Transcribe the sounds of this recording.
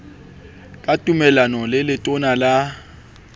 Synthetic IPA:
kʼatʼumɛlanɔlɪlɪtʼʊnala

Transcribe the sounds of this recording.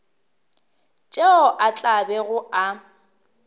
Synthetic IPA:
t͡ʃʼeɔʔat͡ɬʼabɛɣʊʔa

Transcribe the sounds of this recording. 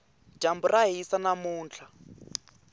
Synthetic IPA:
ʒ̥ʱamburaɦisanamuːnt͡ɬʰa

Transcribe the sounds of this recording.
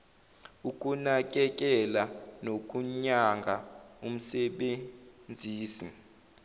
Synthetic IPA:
ukʼunak̬ʼɛk̬ʼɛlanok̬ʼuɲaŋɡʱaum̩sɛɓend͡zʱiːsi

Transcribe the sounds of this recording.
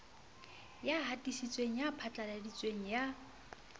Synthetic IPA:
jaɦatʼisit͡sʼweŋ̩japʰat͡ɬʼaladit͡sʼweŋ̩ja

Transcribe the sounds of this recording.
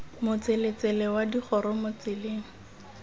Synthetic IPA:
mʊt͡selet͡sɛlɛwadiχʰɔɾɔmʊt͡sɪleːŋ̩

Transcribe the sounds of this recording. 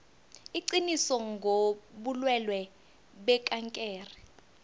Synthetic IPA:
iǀinisɔŋɡʱoɓulwɛlwɛ | ɓɛkʼaŋkʼɛːri

